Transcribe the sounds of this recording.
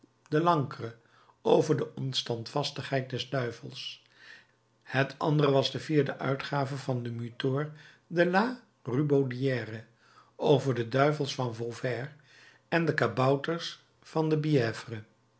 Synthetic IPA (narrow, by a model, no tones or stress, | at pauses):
dəlɑŋkrə | owvəɹdəʔɔnstɑntfɑstəχɦɛjt̚dɛzdœɥvəlˠs | hətʰɑ̰ndərəʋɑzdəviːɹdəʔœ̰ɥtχaːvəvɑndəmytoːɹ | dəlaː | rybowdiɛːrə | owvəɹdədœɥvəlˠsfɑnvɔlˠvɛr | ɛndəkabɑwtəɹs | fɑndəbiɛːvrə